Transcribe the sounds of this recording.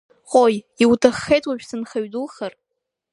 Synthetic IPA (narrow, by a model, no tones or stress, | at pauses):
χʼoj | iwtʰaχːejtʼwaʒᶣsɨnχaɥdɨlχar